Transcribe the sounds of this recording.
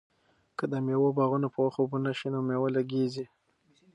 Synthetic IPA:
kəd̪əmewobɑɣunopəwaxobunaʃinomewalaɡezi

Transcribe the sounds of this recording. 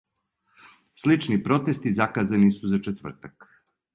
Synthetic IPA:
slit͡ʃnipɾo̞t̪e̞st̪izakazanisuzat͡ʃet̪ʋr̩t̪ak

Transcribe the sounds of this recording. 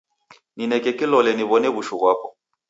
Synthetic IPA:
ninɛkɛkilɔlɛniβɔnɛβuʃuɣwapɔ

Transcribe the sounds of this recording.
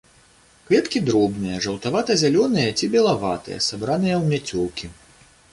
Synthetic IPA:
kvʲɛt̪kʲid̪ɾɔbnɨjɐʐɐwt̪avat̪ɐzʲalʲɔnɨjɐt͡sʲibʲɛlˠavat̪ɨ̰jɐ̰sabɾanɨjɐwmʲat͡sʲɔwˠkʲi

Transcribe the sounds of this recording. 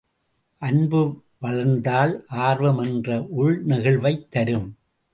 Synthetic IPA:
ʔɐnbɯ | ʋɐɭɐɾnd̪aːlʔaːɾʋɐmɛndrɐʔʊɻnɪɣɐɭʋɐɪt̪ːɐɾɯm

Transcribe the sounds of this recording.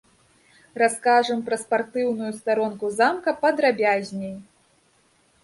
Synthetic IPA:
raskaʐɐmpɾɐspart̪ɨwnujust̪aɾɔnkuzamkɐpɐd̪ɾabʲazʲnʲej

